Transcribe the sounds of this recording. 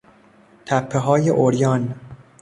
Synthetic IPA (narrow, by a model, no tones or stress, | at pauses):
t̪ʰæpʰːeɦɒːjḛʔoɾjɒːn